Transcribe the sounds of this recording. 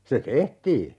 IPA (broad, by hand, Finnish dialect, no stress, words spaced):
se tehtiː